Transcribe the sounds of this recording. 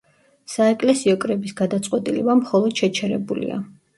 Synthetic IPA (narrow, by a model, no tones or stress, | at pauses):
saɛkʼlɛsiɔkʼɾɛbisɡad̪at̪sʼqʼwɛt̪ʼilɛbamχɔlˠɔd̪̥ʃɛt͡ʃʰɛɾɛbulḭa̰